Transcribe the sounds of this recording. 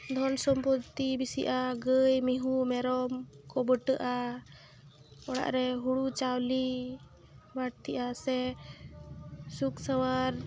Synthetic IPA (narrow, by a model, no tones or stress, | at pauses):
d̪ʱɔnsɔmpɔt̪ibisiʔaɡəjmiɦumɛɾɔmkɔbəʈəʔa | ɔɽa̰ʔɾɛɦuɽut͡ʃawli | baʈ̚t̪ʰiʔasɛ | suksəwaɾ